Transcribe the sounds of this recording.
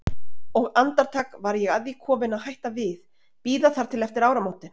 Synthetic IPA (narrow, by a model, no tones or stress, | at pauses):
ɔɣant̪aɾt̪ʰaːkvaɾjɛɣaðvikʰɔːmɪnaðɦajht̪avɪð | piːðaθaɾ̥t̪ʰɪlɛft̪ɪɾaːwɾamawt̪ɪ